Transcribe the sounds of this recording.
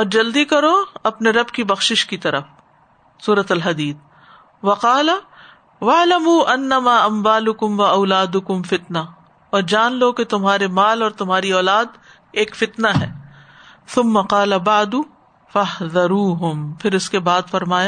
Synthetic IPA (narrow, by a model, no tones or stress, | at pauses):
ɔːɾd͡ʒɐld̪ikɐɾoɐpneɾɐbkibɐxʃɪʃkit̪ɐɾəf | suːɾɐt̪ɐlɦɐd̪iːt̪̚ʰ | ʋɐqɑːla | wɐʕlɐmuːʔɐnːɐmaːɐmwaːlʊkʊmwɐɐʊlaːd̪ʊkʊmfɪt̪na | ɔːɾd͡ʒaːnloket̪ʊmɦaːɾemaːlɔːɾt̪ʊmɦaːɾiɔːlaːd̪ | eːkfɪt̪naɦɛː | θʊmːɐqɑːlɐbaʕd̪ʊ | fɐɦðɐɾuːɦʊmpʰɪɾʊskebaːd̪fɐɾmaːjaː